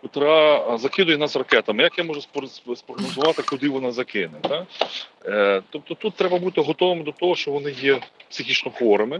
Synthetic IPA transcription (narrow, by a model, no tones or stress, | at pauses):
pʊt̪ɾɑzɐkɪd̪ʊjɛnɑsrɐkɛt̪ɐmɪjɐkjamɔʒɛspsspɾɔɦnɔzʊʋɑt̪ɪkʊd̪ɪʋɔnɑzɐkɪnɛt̪ɑ | t̪ɔp̚t̪ɔt̪ut̪ːɾɛbɐbut̪ɪɦɔt̪ɔʋɪmɪd̪ɔt̪ɔɦɔʃt͡ʃɔʋɔnɪjɛpsʲɪxʲit͡ʃnɔxɔɾɪmɪ